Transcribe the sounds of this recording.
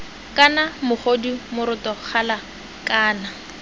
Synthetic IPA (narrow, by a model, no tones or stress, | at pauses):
kʼanamʊχodimʊɾʊtɔk͡xʰala | kaːna